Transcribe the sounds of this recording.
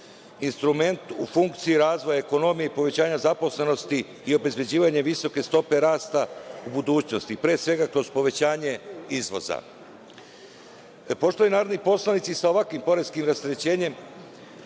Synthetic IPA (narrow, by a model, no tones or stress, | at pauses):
inst̪ɾume̞nt̪ufuŋkt̪siiɾaːzʋo̞jaeko̞no̞mijeipo̞ʋe̞t͡ɕaːɲazapo̞sle̞no̞st̪iː | o̞be̞zbe̞d͡ʑiːʋaɲe̞ʋiso̞ke̞st̪o̞pe̞ɾaːst̪aubud̪uːt͡ɕno̞st̪ipɾeːsʋe̞ɡakɾo̞zpo̞ʋet͡ɕaːɲe̞izʋo̞̰za̰ | po̞ʃt̪ojenaːɾod̪nipo̞slˠanit̪sisaoʋakʋimpo̞ɾeskimɾast̪ɾet͡ɕe̞ːɲe̞m